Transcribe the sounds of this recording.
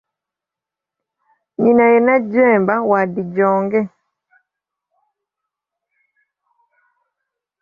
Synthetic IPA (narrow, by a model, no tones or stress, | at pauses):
ɲinajɛnad͡ʒwɛmbawadid͡ʒɔŋɡɛ